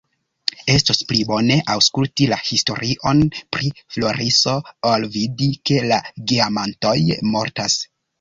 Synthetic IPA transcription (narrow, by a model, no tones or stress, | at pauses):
e̞stosplibo̞ne̞ʔawskultilahisto̞ɾiʔo̞npɾiflo̞ɾiso̞olvidike̞laɡiamanto̞jmo̞̰ɾtas